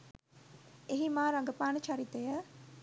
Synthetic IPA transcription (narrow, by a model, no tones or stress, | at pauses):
eɦimaːɾaŋɡəpaːnət͡ʃʰaɾit̪əjə